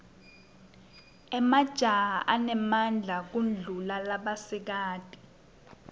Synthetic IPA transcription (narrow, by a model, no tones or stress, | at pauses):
ɛmad̥ʒ̥ʱaɦaʔanɛmand͡ɮʱak̬und͡ɮʱulalaɓasɛk̬aːd̥ʼi̥